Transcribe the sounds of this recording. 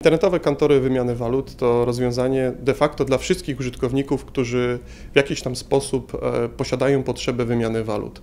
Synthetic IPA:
int̪ɛɾnɛt̪ɔvɛkant̪ɔɾɘvɘmʲjanɘvalut̪ːɔɾɔzvʲjɔ̃w̃zaɲɛd̪ɛfakt̪ɔd̪lafʂɘst̪kʲixuʐɨt̪kɔvɲikufkt̪uʐɘ | vʲjakʲiɕt̪amspɔsupːɔɕad̪ajɔ̃w̃pɔtʂɛbɛvɘmʲjanɘvalṵt̪

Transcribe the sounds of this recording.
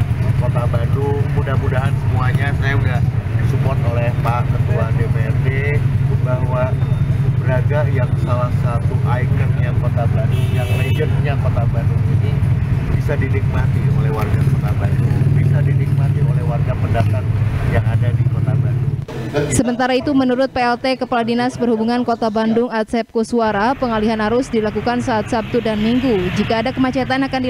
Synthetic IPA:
kot̪abadumudahmudaɦansəmuaɲasajaundasumɔt̪olɛhpakət̪uadepeɛrbebahwabəɾaɡajaŋsalahsat̪uʔaikənɲakot̪abadujaŋled͡ʒənɲakot̪abaduinib̥isadinik̚mat̪iolɛhwarɡakot̪aba̰ndʊŋbisadinik̚mat̪iolɛhwarɡapəndapat̪̚jaŋadadikot̪abandʊŋsəmənt̪aɾait̪umənuɾʊt̪̚peɛlt̪ekəpaladinasbərhubuŋankot̪abandʊŋat̪̚sɛp̚kosuaɾapəŋaliɦanaɾʊsdilakukansaːt̪̚sap̚t̪udanmiŋɡud͡ʒikaːdakəmat͡ʃat̪anakandi

